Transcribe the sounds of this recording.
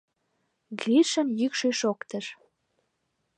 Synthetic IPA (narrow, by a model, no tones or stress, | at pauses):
ɡiʃə̆njykʃøʃokt̪ə̆ʃ